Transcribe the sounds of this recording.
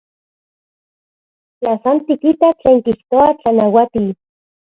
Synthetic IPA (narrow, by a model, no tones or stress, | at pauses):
t͡ɬasant̪ikit̪at͡ɬeːŋkiht̪oat͡ɬanawat̪i